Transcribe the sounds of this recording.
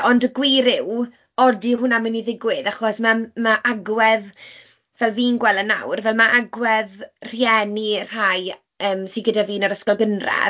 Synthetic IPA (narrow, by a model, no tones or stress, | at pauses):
ɔndəɡwɪɾɪw | ɔdihʊnaməniðɪɡwɪðaχɔsmamaʔaɡwɛð | vɛlˠviːnɡwɛlˠəna̰wrvɛlˠmaʔaɡwɛðr̥jɛnir̥aj | əːmsinɡədaviːnaɾəskɔlˠɡənra̰